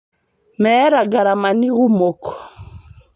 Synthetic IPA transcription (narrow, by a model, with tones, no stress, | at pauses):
mɛ˦ɾa˨ɡa˨ɾa˨ma˨ni˦ɣu˦mɔ˨kɔ̥˨